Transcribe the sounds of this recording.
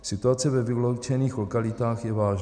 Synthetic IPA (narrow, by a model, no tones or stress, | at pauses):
sɪt̪uat͡sɛvɛvɪlowt͡ʃɛniːxlokalɪt̪aːxjɛvaːʒ